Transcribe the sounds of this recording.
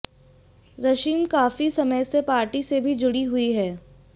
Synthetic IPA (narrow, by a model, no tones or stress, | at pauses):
ɾɐʃiːmkaːfisɐməjsepaːɾʈisebʱid͡ʒʊɽiɦʊiɦɛː